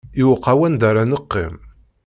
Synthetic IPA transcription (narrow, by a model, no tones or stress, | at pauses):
iwəqːawænd̪aɾanəqːḭm